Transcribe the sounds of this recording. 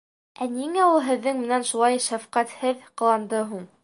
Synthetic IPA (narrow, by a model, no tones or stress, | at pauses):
æniŋæulˠɦɘ̆ðːɘŋmɘ̆nænʃulˠɑjʃæfqæt̪hɘðqɤ̆lˠɑnd̪ɤɦuɴ